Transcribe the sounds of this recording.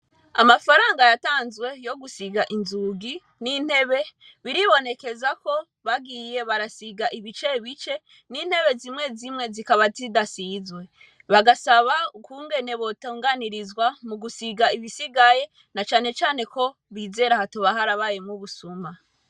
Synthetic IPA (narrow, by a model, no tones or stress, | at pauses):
a̰mafaɾaːŋɡajataːnzwe̞jo̞ɡusiɡaʔinzuɡi | nin̥he̞βe̞ | βiɾiβo̞ne̞ke̞zako̞ | βaɡiːje̞βaɾasiɡaʔiβit͡ʃe̞βit͡ʃe̞ | nin̥he̞βe̞zimŋe̞zimŋe̞zikaβazidasizwe̞ | βaɡasaβakuːŋɡe̞ne̞βo̞toːŋɡaniɾizwamuɡusiɡaiβisiɡaje̞ | nat͡ʃaːne̞t͡ʃaːne̞ko̞ | βiːze̞ɾahatoβaɦaɾaβaje̞muβusuma